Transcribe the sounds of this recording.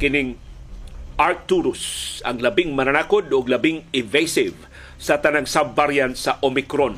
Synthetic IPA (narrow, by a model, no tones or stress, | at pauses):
kɪnɪŋ | ʔaɾk̚t̪uɾʊsɐŋlɐbɪŋmɐnanakod̪oɡlɐbɪŋɪvejsɪv | sɐt̪ɐnaŋsabvaɾjant̪sɐʔomɪkɾon